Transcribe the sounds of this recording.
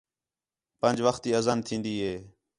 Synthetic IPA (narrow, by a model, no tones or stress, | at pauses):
pənd͡ʒʋəxt̪iːəzaːnt̪ʰĩːnd̪iːɦeː